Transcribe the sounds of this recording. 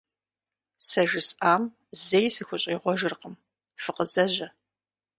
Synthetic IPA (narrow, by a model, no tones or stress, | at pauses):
sɐʒɪsʼaːm | zejsɨxʷʊɕʼiːʁʷɔʒɪrqəm | fɨqəzɐʑɐ